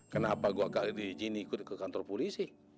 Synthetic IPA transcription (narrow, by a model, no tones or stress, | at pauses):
kənapaɡuakaʔdid͡ʒinikut̪̚kəkant̪ɔrpɔlisi